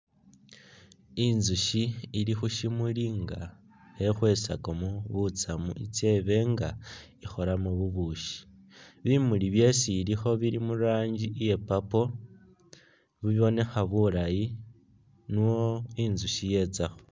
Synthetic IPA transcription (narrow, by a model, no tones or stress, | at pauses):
inzuʃiːlixuʃimuliŋɡa | exwe̞sakomuβut͡samṵḭt͡se̞βe̞ŋɡaixo̞ɾamuβuβuʃi̥ | βimuliβje̞siːlixo̞βiɾimuɾaːɲɟiʔije̞papo̞ | βiβiβo̞ne̞xaβuɾaji | nuwoinzuʃije̞t͡saxo̥